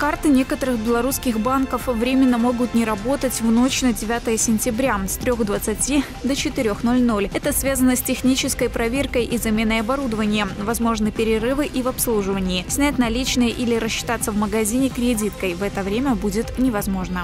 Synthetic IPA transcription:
kart̪ɨnʲe̞kət̪əɾɨxbʲɪlˠɐɾuskʲɪxbankəfvɾʲemʲɪnːəmo̞ɡʊt̪nʲɪɾɐbo̞t̪ətʲvno̞t͡ɕnədʲɪvʲat̪əjəsʲɪnʲtʲɪbɾʲast̪ɾʲo̞xd̪vət̪sɨtʲi | d̪ət͡ɕɪt̪ɪɾʲo̞xno̞lʲno̞lʲɛt̪əsvʲazənəsʲtʲɪxnʲit͡ɕɪskəjpɾɐvʲerkəjʔizɐmʲe̞nːəjɐbɐɾud̪əvənʲɪjəvɐzmo̞ʐnɨpʲɪɾʲɪɾɨvɨʔivɐpslˠuʐɨvənʲɪːsʲnʲætʲnɐlʲit͡ɕnɨjəʔilʲɪɾəsɕːɪ̥t̪at̪səvməɡɐzʲinʲɪkɾʲɪdʲit̪kəjvɛt̪əvɾʲemʲəbudʲɪt̪nʲɪvɐzmo̞ʐnə

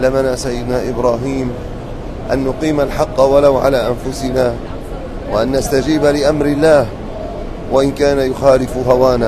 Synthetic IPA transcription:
lːamanaːsajːɪd̪naːʔɪbɾaːɦiːm | ʔanːʊqiːmalħɑqːwalawʕa̰laːʔanfʊsɪnaː | waʔanːast̪ad͡ʒiːbalɪʔamɾɪlːaːh | waʔɪnkaːnajʊxaːlɪfɦawaːnaː

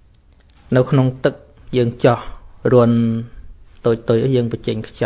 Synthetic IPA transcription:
nɨwkʰnoŋt̪ɨk̚ | jəːŋt͡ɕɑhruən | t̪oːc̚t̪oːjʔəjəːŋpət͡ɕɛŋkʰt͡ɕɑ

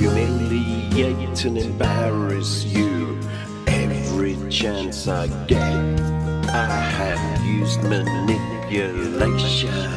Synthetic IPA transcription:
wɨmẽlijɛtʰɨ̃nɨ̃mbæɹɨsjɨ | ʔɛvɹit͡ʃʰæ̃nsaɪɡɛ̃n | aɪɨvjʉzd̚mɨnɪpjɨleɪʃɨ̃n

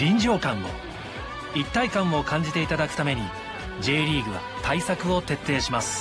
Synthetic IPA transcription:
ɾʲĩɲd͡ʑo̞ːkãmːo̞̰ | it̪ːaikãm̃mo̞kãɲ̟d͡ʑit̪e̞it̪ad̪akɯ̟̥t̪ame̞ɲ̟i | d͡ʑe̞ːɾʲiːɡɯ̟βa̰ | t̪ʰaisakɯ̟o̞t̪e̞t̪ːe̞ːɕimasɨ̥

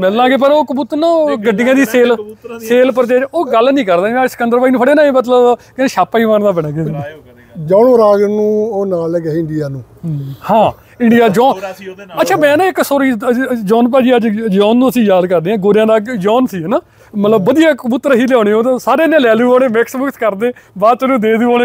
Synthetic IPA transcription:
mɛlãːɡeːp̬əɾoːkəbuːt̪ɾnãːɡəɖɪjãːd̪iːseːlseːlpəɾd͡ʒeːoːɡəlnĩːkəɾd̪aːmɛ̃ːsə̥kə̃nd̪əɾʋaːiːnũːpʰəɽeːnaːeːmət̪ləbkɪnːʃaːpaːiːʋãːnd̪aːbəɽãːɡe | d͡ʒɔːnːɾaːɡnũːoːnaːlɛɡɪɳɖijaːnũːhãː | ɪɳɖijaːd͡ʒɔːət̪ːʃʰaːmɛ̃ːnãːɪksoːɾiːd͡ʒɔːnp̬aːd͡ʒiːəd͡ʒjɔːnːũːəsĩːjaːd̪kəɾd̪eːãːɡoːɾjãːd̪aːjɔːnsiːɛnaː | mət̪ləbːəd̪ijaːkbʊt̪ːɾɦiːljaːɽeːõːt̪̬ãːsaːɾeːnːẽːlɛːlũːaːɽeːmɛksmʊkt̪kəɾd̪eːbaːt͡ʃ̪nũːd̪eːd̪uːaːneː

